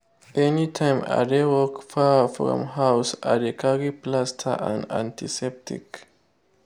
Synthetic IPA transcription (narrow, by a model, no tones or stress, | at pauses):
ʔɛnitʰãɪ̃ma̰dewɔkfafɹɔ̰̃mɦawsadekʰaɹiplastʰa̰ʔã̰nã̰ntʰisɛp̚tḭk